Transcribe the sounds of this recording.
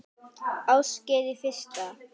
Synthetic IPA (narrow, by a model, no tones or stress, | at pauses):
awscɛːðɪfɪr̥st̪a